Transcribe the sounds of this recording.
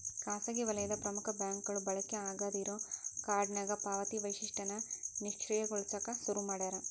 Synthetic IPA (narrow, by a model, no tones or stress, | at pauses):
kaːsɐɡiʋɐlɐjɐd̪ɐpɾɐmukʰɐbjaːŋkɡɐɭubɐɭɐkːeaːɡaːd̪iɾoːkaːɾɖnɐɡɐpaːʋɐt̪iʋɐjʃiʂʈɐnɐniʃkt͡ʃɾijɐɡoɭsɐkɐsuɾumaːɽɐɾɐ